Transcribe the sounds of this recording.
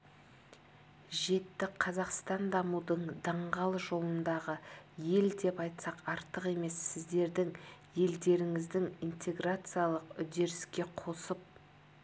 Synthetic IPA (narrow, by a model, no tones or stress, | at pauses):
ʒe̞t̪ːɪqʰɑzɑqst̪ɑnd̪ɑmud̪əɴd̪ɑɴʁɑlˠʒo̞lˠənd̪ɑʁəje̞ld̪e̞pɑjt̪sɑqɑɾt̪əqe̞me̞sːɪzd̪e̞ɾd̪ɪŋje̞ld̪e̞ɾɪŋɪzd̪ɪŋijnt̪e̞ɡrat̪sɨjalˠəqʏd̪e̞ɾɪskʲe̞qʰo̞səp̚